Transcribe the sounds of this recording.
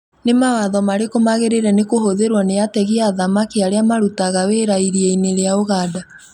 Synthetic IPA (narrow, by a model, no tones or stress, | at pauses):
nemawaðɔmaɾekomaɣeɾeɾɛnekoɦoðeɾwanejatɛɣiaðamakiaɾeamaɾutaɣaweːɾaiɾiɛineɾeaoɣaːda